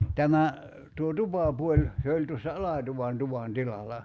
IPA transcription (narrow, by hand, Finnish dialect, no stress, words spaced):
tæmæ tuo tupɑˑpuolʲ se olʲ tuosːɑ ɑlɑˑtuʋɑn tuʋɑn tilɑlɑ